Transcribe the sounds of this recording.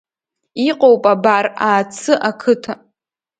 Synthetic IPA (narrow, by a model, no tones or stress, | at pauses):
iqʼowpʼabaraːt͡sʰɨʔakʰɨtʰa